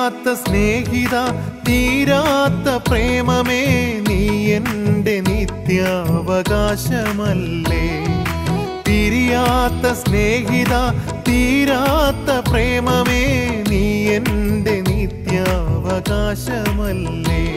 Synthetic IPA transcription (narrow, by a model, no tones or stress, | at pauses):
t̪ːɐsneːɦit̪aːt̪iːɾaːt̪ːɐpɾeːmɐmenijenɖenit̪jaɐʋɐɡaːɕɐmɐlːe | t̪iɾijaːt̪ːɐsneːɦit̪aː | t̪iːɾaːt̪ːɐpɾeːmɐmenijenɖenit̪jaɐʋɐɡaːɕɐmɐlːe